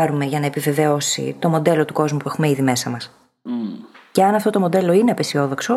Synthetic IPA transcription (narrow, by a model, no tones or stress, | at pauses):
ɐɾume̞ʝɐnɐepive̞ve̞o̞sḭt̪o̞mo̞d̪e̞lo̞t̪uko̞zmupue̞xumeiðime̞sɐmɐs | ce̞ɐnɐft̪ot̪o̞mo̞d̪e̞lo̞ineɐpesio̞ðo̞kso̞